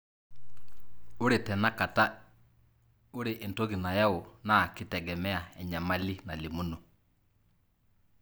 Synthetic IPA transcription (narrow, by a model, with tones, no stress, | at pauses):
ʊ˦ɾe˨tɛ˨na˦ka˨ta˦ | ʊ˦ɾe˨ʔɪ˨nto˦ɡi˨na˨ja˦ʊ˨na˦˨kɪ˦tɛ˨ɡɛ˨mɛ˦a˨ɛ˨ɲa˨ma˦li˦na˨lɪ˨mu˦no˨